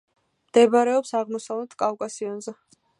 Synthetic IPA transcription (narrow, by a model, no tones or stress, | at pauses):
md̪̥ɛbaɾɛɔpsaʁmɔsavlɛt̪ʰkʼafkʼasiɔnzɛ